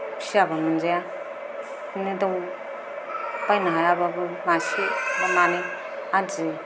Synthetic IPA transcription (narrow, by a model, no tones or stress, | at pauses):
pʰisabamɯnd͡ʒaja | nidaw | bajnaɦajababɯmasibamane | ad͡ʒi